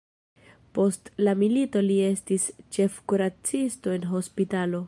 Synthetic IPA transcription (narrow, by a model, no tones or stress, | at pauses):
po̞stlamilito̞lie̞stist͡ʃe̞fkuɾat͡sisto̞e̞nɦo̞spitalo̞